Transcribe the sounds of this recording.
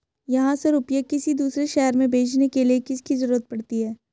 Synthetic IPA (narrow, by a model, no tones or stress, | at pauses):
jɐɦãseɾʊpjəkɪsid̪uːsɾeʃɛɦɾmẽbʱeːt͡ʃʰnekeliekɪskizɐɾuːɾət̪̚pɐɽt̪iɦɛː